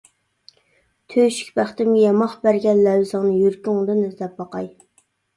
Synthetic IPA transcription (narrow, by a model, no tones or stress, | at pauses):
t̪ʰøʃy̥k̚ʲbæχt̪ɪmujɑmɑχbæɾɡʲɛnlɛwzɨŋnɨjyɾkʲyŋd̪ɨnɛzd̪ɛpbɑqɑj